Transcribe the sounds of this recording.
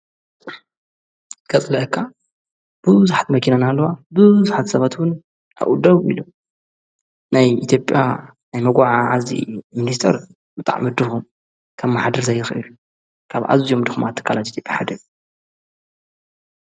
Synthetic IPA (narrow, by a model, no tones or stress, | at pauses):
kʰɐt͡sʼlɐʔkʰːa | b̥ɨwɨzuħat̪mɐkinanalːowabɨzħat̪sɐβat̪wʊn | a̰ʔud̪ɐβḭlu | najit̪ʰjo̞pʼja | najmɐɡʷaʕaʕazḭminist̪ʰɐɾ | bɨt̪ʼa̰ʕmɨd̪ɨxum | kʰɐmːaħad̪ɐɾzʰɐjːɨxʔɨlu | kʰaβʕa̰zijomd̪ɨxumat̪ʰːɨ̥kʰːalat̪it̪ʰjo̞pʼjaħad̪ɐɾ